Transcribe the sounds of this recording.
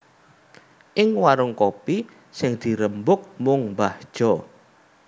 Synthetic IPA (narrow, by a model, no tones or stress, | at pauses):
ʔɪŋwaɾʊŋkopi | sɪŋd̪̥i̤ɾəmbʊk̚mʊŋbahd̥ʒ̥ɔ